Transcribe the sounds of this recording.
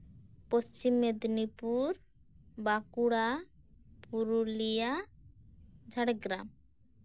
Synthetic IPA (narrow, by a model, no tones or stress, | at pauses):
post͡ʃimːed̪nipuɾ | bakuɽa | puɾulija | d͡ʒʱaɽeɡɾam